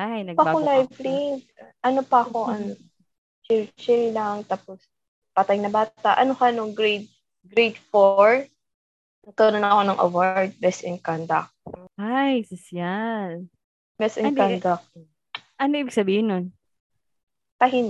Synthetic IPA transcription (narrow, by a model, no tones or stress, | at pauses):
ajnɐɡ̚bkolajvliŋɡʔɐnopɐɐko̞ʔɐŋ | t͡ʃiɾt͡ʃɛjlɐŋt̪aːpos | pɐt̪ajnɐbaːt̪aʔɐnohanoŋɡɾejt̪̚ | ɡɾejt̪foɹ | nɐɡ̚kɐnonɐɐko̞nɐŋʔɐ̰waɹd̪̚bɛsɛŋkand̪ɐk̚ːajsɐsjal | bɛsʔɛk̪ad̪ɐk̚ | ʔɐnoʔiːbɪɡ̥sɐbiːhɪnːon | tɐɦɪn